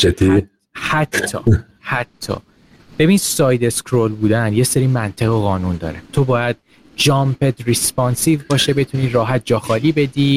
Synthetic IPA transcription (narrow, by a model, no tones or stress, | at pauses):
t͡ʃʰet̪ʰi | hæt̪ʰːɒ̰ː | hæt̪ʰːɒ̰ː | b̥e̞bind̪sɒːjd̪e̞skʰɾolbuːd̪ænje̞seɾiːmænt̪ʰeɣeɣɒːnund̪ɒ̰ːɾet̪ʰobɒːjæd̪̚ | d͡ʒɒːmpʰed̪rispɒːnsivbɒːʃebe̞t̪ʰuniːɾɒːɦæt̪̚d͡ʒɒːxɒːliːbe̞d̪iː